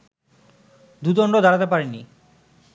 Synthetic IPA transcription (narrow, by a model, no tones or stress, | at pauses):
d̪ut̪̬ɔɳɖod̪aɾat̪epaɾeni